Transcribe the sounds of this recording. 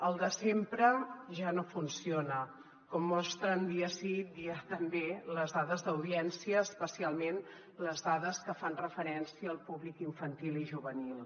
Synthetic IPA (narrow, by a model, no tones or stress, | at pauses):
əlˠd̪əsempɾəʒanofunsionə | kɔmːɔst̪ɾənd̪iəsit̪̚d̪iət̪əmbeləzðaðəzðəwðiɛnsiəːspəsialˠmen | ləzðaðəskəfanrəfəɾɛnsiəːlˠpuβlikiɱfənt̪iliʒuβənilˠ